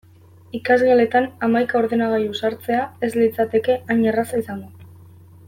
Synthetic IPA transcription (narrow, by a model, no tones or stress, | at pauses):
ikazɣale̞t̪anamajkao̞ɾðe̞naɣ̞aɾjusaɾt͡se̞ae̞zlit͡sat̪e̞ke̞aɲerasaisaŋɡo